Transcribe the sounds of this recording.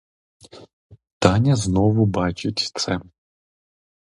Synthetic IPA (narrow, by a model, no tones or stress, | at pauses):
t̪ɑnʲɐznɔʋʊbɑt͡ʃʊtʲt̪sɛ